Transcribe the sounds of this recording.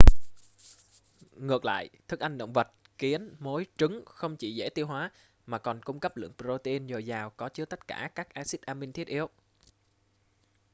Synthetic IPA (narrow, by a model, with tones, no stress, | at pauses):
ŋɨ˨˩ək̚la̰ː˧˨jt̪ʰɨ˦˥k̚ʔa˧jŋ̟ɗə̰˧˨wŋ͡mvə˨˩t̚ki˨˦ənmo˨˦jt͡ɕɨ˨˦ŋxə˧wŋ͡mt͡ɕḭ˧˩zḛ˧˥˩t̪i˧əwɦwaː˨˦ | maː˨˩kɔ˨˩nkʊ˧ŋ͡mkə˦˥p̚lɨ̰˧˩˨əŋpɾo˧t̪i˧nzə˨˩jzaː˨˩wkɔ˨˦t͡ɕɨ˨˦t̪ə˦˥t̚kaː˧˩kaː˦˥k̚ʔaː˧si˦˥t̚ʔaː˧mï˧ŋt̪ʰi˦˥ət̚ʔi˨˧əw